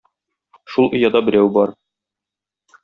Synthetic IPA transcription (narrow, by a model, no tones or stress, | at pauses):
ʃulˠŏjɑd̪ɑbɘ̆ɾæwbɒɾ